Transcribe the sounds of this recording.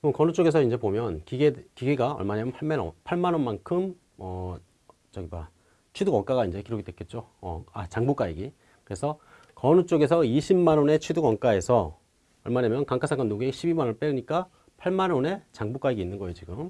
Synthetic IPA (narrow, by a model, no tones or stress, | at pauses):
ɯɯmkʌnut͡ɕ͈oɡesʰʌind͡ʑe̞pomjʌnkiɡekiɡeɡaʌ̰ɭmanamjʌnpʰaɭmano̰pʰaɭmanonmankʰɯm | ʌ | t͡ɕʌɡiba | t͡ɕʰwiduɡwʌŋk͈aɡaind͡ʑekiɾoɡidwek͈e̞t̚t͡ɕ͈oʌ̰at͡ɕaŋbuk͈aiɡi | kɯɾe̞sʰʌ | kʌnut͡ɕ͈oɡe̞s̬ʰʌiɕʰimːanone̞t͡ɕʰwiduɡwʌŋk͈ae̞sʰʌ | ʌɭmanamjʌnkaŋk͈ʰasʰaŋɡanːuɡeɕʰibimanop͈eɯɲik͈a | pʰaɭmanone̞t͡ɕaŋbuk͈aiɡiːnːɯnɡʌejod͡ʑiɡɯm